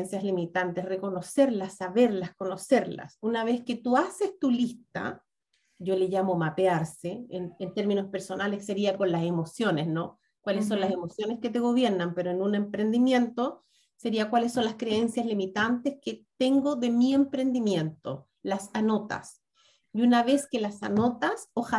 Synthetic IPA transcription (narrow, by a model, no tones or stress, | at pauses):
nsjazlimit̪ant̪esreko̞no̞se̞ɾlasːaβe̞ɾlasko̞nose̞ɾla̰sunaβesket̪uasest̪ulist̪a̰ | ɟ͡ʝo̞leʝamo̞mapeaɾseenent̪e̞ɾmino̞spe̞ɾso̞naleseɾiako̞nlasemo̞sjo̞nesno̞ | kwalesːo̞nlasemo̞sjo̞nesket̪eɣ̞o̞βje̞ɾnampe̞ɾoenune̞mpɾe̞nd̪imje̞nt̪o̞ | seɾiakwalesːo̞nlaskɾee̞nsjazlimit̪ant̪esket̪eŋɡoðemiempɾe̞nd̪imje̞nt̪o̰ | lasano̞t̪a̰s | iunaβe̞skelasa̰no̞t̪asoxa